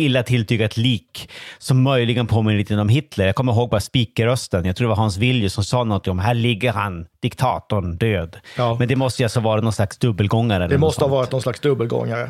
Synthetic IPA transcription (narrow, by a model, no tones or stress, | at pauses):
ɪlːat̪ʰɪlt̪ʰyːɡat̪liːksɔmːœjlɪɡənpʰoːmɪnəlit̪ɡənɔmɦɪt̪ləɾjɑːɡkʰɔmːəɾɦoːɡ̚bɑːɾaspiːkəɾœst̪ənjɑɡkt̪ʰɾuːdɛvaɾɦɑns̬vɪljəsɔmsɑːnɔnt̪ʰɪŋɔmɦæːɭɪɡːəɾhand̪̥ɪkt̪ʰɑ̰ːt̪ʊɳd̪øːd̪mɛnd̪ɛmɔst̪əjalsɔavɑːɾanɔnslaksd̪ɵbːəlɡɔŋːaɾɛldɛmɔstəhɑvɑːɾɪt̪nɔnslaksd̪ɵbːəlɡɔ̰ŋːaɾə